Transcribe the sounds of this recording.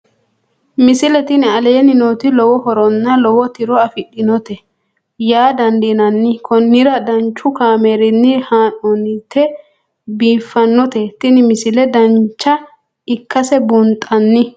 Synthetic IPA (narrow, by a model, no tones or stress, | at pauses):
mɪsɪlɛt̪ɪnɪɐleːnɪnoːt̪ɪlɔwɔhɔɾɔnːɐlɔwɔt̪ɪɾɔɐfɪɗːɪnɔt̪ɛ | jaːd̪ɐnd̪enɐnːɪkʰɔnːɪɾɐd̪ɐnt͡ʃːʊkaːmeɾɪnːɪhaːnɔnɪt̪ːɛ | biːfːɐnːɔt̪ɛt̪ɪnɪmɪsɪlɛd̪ɐnt͡ʃːɐ | ɪkʰːɐsɛbʊnt̪ʼɐnːɪ